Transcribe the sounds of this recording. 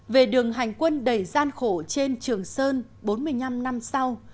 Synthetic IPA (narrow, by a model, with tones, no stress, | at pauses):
ve˨˩ɗɨ˨˩əŋɦa˨˩jŋ̟kwə˧nɗə˨˩jzaː˧nxo˧˩t͡ɕe˧nt͡ɕɨ˨˩əŋsəː˧n | ɓo˨˦nmɨ˧əjɲna˧mna˧msa˧w